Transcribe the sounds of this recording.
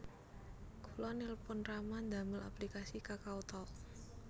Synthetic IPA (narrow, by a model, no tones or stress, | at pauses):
kʰulɔnelpʊnramand̪a̤məla̰plikasikakaut̪ɔl